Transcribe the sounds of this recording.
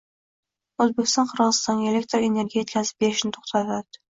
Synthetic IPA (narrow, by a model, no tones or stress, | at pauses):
ɵzbekʲɪst̪ɒnqʰɨɾʁɨzst̪ɒnɡʲaelʲekʲt̪ɾoene̞ɾɡʲijet̪̚ʲkʰʲazɪ̥p̚beɾɪʃnɪt̪ʰo̥χt̪ʰat̪ad̪̥ɪ̥